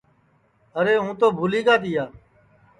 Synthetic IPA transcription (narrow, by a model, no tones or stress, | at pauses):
əɾeːɦũːt̪oːbʱuːliːkaːt̪iːaː